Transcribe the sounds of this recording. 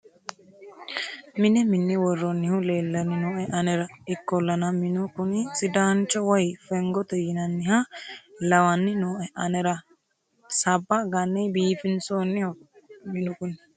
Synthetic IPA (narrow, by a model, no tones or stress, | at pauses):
mɪnɛmɪnːɪwɔrːɔnːɪhʊleːlːɐnɪnoːʔɛʔɐnɛɾɐɪkːɔlːɐnɐmɪnʊkʊnɪsɪd̪aːnt͡ʃːɔwɔjfɛŋɡɔt̪ɛjɪnɐnːɪhɐlɐwɐnːɪnoːʔɛʔɐnɛɾɐ | sɐbːɐɡɐnːɛbiːfɪnsoːnːɪhʊ | mɪnʊkʊnɪ